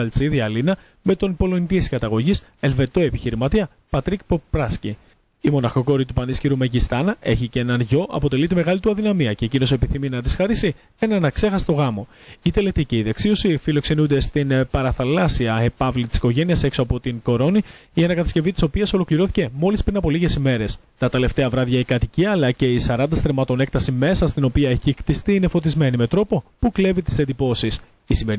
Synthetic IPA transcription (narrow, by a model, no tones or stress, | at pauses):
ɐlt͡siðiɐlinɐ | me̞t̪o̞npo̞lont̪ieskɐt̪ɐɣo̞ʝis | e̞lve̞t̪o̞e̞piçiɾimɐt̪iɐ | pɐt̪ɾikpopɾɐsci | imo̞nɐxo̞ko̞ɾit̪upɐnisciɾumeʝist̪ɐnɐe̞çicenɐnʝo̞ʔɐ̰po̞t̪e̞lit̪ime̞ɣɐlit̪uɐðinɐmiɐce̞cino̞se̞piθiminɐðisxɐɾisi | e̞nɐnɐkse̞xɐse̥t̪o̞ɣɐmo̞it̪e̞let̪iciːðeksio̞sifilo̞kse̞nund̪e̞st̪inpɐɾɐθɐlɐsiɐepɐvlit̪i̥si̥ko̞ʝe̞niɐse̞ksoɐpo̞t̪iŋko̞ɾo̞niiɐnɐkɐt̪ɐ̥sce̞vit̪i̥sopiɐso̞lo̞kliɾo̞θi̥ce̞mo̞lispɾinɐpo̞liʝe̞sime̞ɾes | t̪ɐt̪e̞le̞ft̪e̞ɐvɾɐðʝɐikɐt̪iciɐlɐce̞isɐɾɐnd̪ɐst̪ɾemɐt̪o̞ne̞k̚t̪ɐsime̞sɐst̪ino̞piɐeçixt̪ist̪iːine̞fo̞t̪izme̞nime̞t̪ɾo̞po̞pukle̞vit̪i̥send̪ipo̞sis | isime